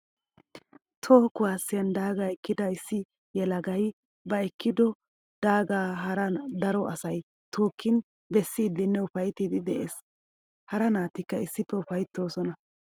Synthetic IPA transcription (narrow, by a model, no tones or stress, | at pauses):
t̪ʰoːkʊwaːsːɪjɐnd̪aːɡaːɛkːɪd̪ɐɪsːɪ | jɛlɐɡɐj | bɐɛkʰːɪd̪ɔ | d̪̥aːɡaːɦɐɾɐd̪ɐɾɔʔɐsɐj | t̪ʰoːkʰːɪn | bɛsːiːd̪ɪnːɛʊfɐjt̪id̪ɪd̪ɛʔeːs | hɐɾɐnaːt̪ːɪkːɐɪsːɪpːɛʊfɐjt̪ːo̞ːsɔnɐ